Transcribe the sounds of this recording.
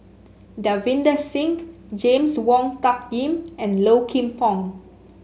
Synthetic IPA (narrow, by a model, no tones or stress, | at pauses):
davĩndəsĩŋk | d͡ʒẽmswɔ̃ŋtak̚jĩmɛ̃nlokʰĩmpɔ̃ŋ